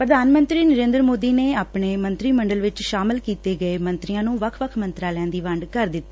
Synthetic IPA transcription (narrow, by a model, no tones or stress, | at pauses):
pɾəd̪aːnmə̃nt̪ɾiːnəɾẽːnd̪ɾəmoːd̪iːneːaːpɳeːmənt̪ɾiːməɳɖəlʋɪt͡ʃʃaːmɪlkiːt̪eːɡəeːmə̃nt̪ɾijãːnũːʋəkʰʋəkʰmənt̪ɾaːlɛ̃ːnd̪iːʋəɳɖkəɾd̪ɪt̪ːaː